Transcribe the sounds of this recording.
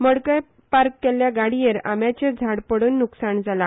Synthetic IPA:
məɽkəj | paɾkːɛlːjaɡaɽijeɾa̰mjat͡ɕed͡zʱaɽpəɽuːnːuksaɳd͡zala

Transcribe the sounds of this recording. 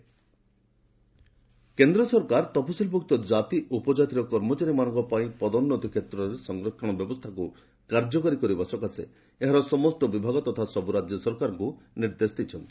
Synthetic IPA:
kend̪ɾɔsɔɾkaɾt̪ɔpʰɔsilbʱukt̪ɔd͡ʒat̪iʔupɔd͡ʒat̪iɾɔkɔɾmɔt͡ʃaɾimañɔ̃ŋkɔpaĩpɔd̪ɔnːɔt̪ɔkʰet̪ɾɔɾesɔŋɡɾɔkʰːɔɽ̃ɔbjɔbɔst̪ʰaku | kaɾd͡ʒɔkaɾikɔɾibasɔkasḛ | eɦaɾɔsɔmɔst̪ɔbibʱaɡɔt̪ɔt̪ʰasɔbuɾad͡ʒjɔsɔɾkaɾɔŋkuniɾd̪esɔd̪it͡ʃʰɔnt̪i̥

